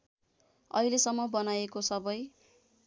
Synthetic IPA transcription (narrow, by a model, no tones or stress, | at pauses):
ʌ̰ɦilesʌmːʌbʌnajekosʌbʌj